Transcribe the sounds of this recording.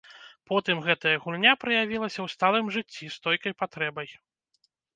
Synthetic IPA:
pɔt̪ɨmɣɛt̪ɐjɐɣulʲnʲapɾɐjavʲilˠɐsʲɐwst̪alˠɨmʐɨt͡sʲːist̪ɔjkɐjpat̪ɾɛbɐj

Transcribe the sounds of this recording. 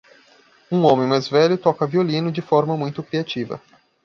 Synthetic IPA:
ũõmẽj̃majzvɛʎʊt̪ɔkɐviolĩnʊd͡ʒɪfɔɾmɐmũj̃t̪ʊkɾiat͡ʃivɐ̰

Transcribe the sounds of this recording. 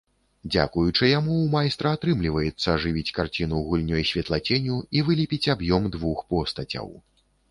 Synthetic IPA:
d͡zʲa̰kujut͡ʂɨjamuwmajst̪ɾɐat̪ɾɨmlʲivɐjɛt̪sːɐʐɨvʲit͡sʲkart͡sʲinuɣulʲnʲɔjsʲvʲɛt̪lˠat͡sʲɛnʲuivɨlʲipʲit͡sʲabjɔmd̪vuxpɔst̪ɐt͡sʲɐ̰w

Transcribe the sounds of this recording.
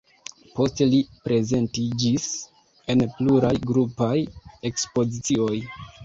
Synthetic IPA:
po̞stelipɾe̞ze̞ntid͡ʒis | e̞npluɾajɡɾupaje̞kspo̞zit͡sio̞j

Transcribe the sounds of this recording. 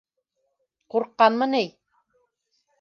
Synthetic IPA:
quɾqːɑnmɤnij

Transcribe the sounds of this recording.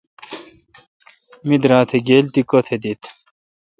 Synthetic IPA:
mid̪ɾãːt̪ʰeɡeːlt̪ikot̪ʰed̪it̪

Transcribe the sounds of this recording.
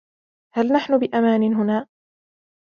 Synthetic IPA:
halnaħnʊbɪʔamaːnɪnɦʊnaː

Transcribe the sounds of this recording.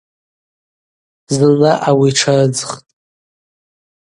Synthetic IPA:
zɨnaʔawiʈ͡ʂʰad͡zɨχtʼ

